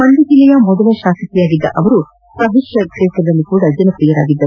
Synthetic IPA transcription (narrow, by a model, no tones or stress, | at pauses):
mɐnd̪id͡ʒilɛjɐmɔd̪ɐlɐʃaːsɐk̪ɛjaːɡid̪ːɐ̰ʔɐʋɐɾu | pɐɦiʃjɐkʂɛːsɾɐd̪ɐlːikuːɽɐd͡ʒɐnɐpɾijɐɾa̰ːɡid̪ːɐ